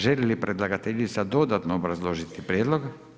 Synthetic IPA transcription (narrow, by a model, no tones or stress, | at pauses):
ʒɛlilipɾʔɛd̪lˠaɡat̪ɛʎʲit̪sad̪od̪at̪noːbɾazlˠoʒit̪ipɾjeːd̪lˠoɡ